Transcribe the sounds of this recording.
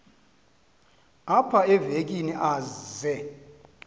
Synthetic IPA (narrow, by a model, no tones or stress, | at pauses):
apʰaɛvek̬ʼiniʔaːzɛ